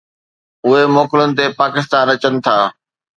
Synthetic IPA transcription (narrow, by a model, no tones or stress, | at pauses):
ʊɦemoːkɪlənɪ̆t̪̬epaːkɪst̪aːnɐt͡ɕənɪ̆t̪ʰaː